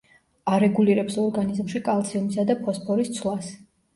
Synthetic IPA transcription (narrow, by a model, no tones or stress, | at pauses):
aɾɛɡuliɾɛpsɔɾɡanizmʃikʼalˠt̪sʰiɔmisad̪apʰɔspʰɔɾist̪sʰlˠas